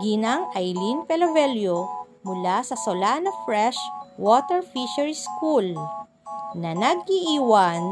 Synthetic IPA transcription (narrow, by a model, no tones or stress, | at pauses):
ɡinaŋʔajlinpɛlɐvɛljo | mʊlasɐsolanɐfɹɛʃwot̪ɛɹfiʃɐɹiskul | nɐnɐɡ̚iʔiːwɐn